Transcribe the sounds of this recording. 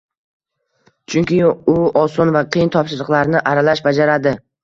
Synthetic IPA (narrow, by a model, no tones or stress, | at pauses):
t͡ʃʰʊŋkʲɪʊɒsɒnvaqʰɨjnt̪ʰɒpʃɪɾɨqlˠaɾnɪʔaɾalaʃbad͡ʒaɾad̪ɪ